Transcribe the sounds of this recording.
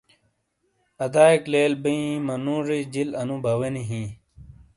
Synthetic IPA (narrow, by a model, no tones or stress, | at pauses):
ɐd̪aːikleːlbiĩmɐnũːɾid͡ʑilɐnũbʱɐweniɦĩː